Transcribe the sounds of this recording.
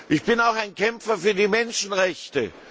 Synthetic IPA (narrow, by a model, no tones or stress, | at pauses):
ʔɪçb̥ɪnaʊxaɪnkɛmfɐfyːɐdiːmɛnʃn̩ʁɛçtə